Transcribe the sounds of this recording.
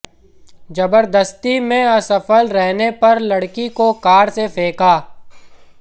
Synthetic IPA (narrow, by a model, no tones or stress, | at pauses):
d͡ʒɐbəɾd̪əst̪imẽɐsɐfəlɾɛɦnepɐɾlɐɽkikokaːɾsefʰeːkaː